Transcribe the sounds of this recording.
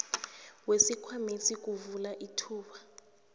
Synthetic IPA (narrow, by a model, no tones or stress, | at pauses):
wesikʰwamisik̬uvulaʔitʰuːɓa